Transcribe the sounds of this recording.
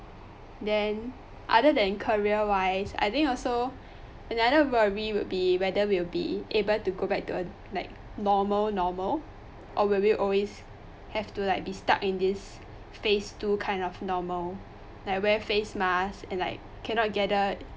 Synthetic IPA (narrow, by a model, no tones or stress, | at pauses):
dɛ̃n | ʔa̰dədɛ̃nkʰəɹiəwaɪsa̰jθɪ̃ŋkɔlso | ʔənadəwəɹiwilbiwɛdəwilbḭebəltuɡobɛk̚tuə | laɪk̚nɔməlnɔməl | ʔɔwilwiʔɔlwes | hɛftulaɪk̚bista̰kɪ̃ndis | festukʰãɪ̃ndɔfnɔməl | laɪkwɛfesmasɛ̃nlaɪk | kʰːɛ̃nɔt̚ɡɛdə